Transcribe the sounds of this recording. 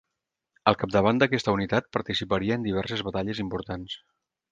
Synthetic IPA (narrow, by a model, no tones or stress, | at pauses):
ə̰lˠkap̚d̪əβ̞and̪əkɛst̪əunit̪at̪̚pəɾt̪isipəɾiəːnd̪iβ̞ɛrsəzβət̪aʎəzimpuɾt̪ans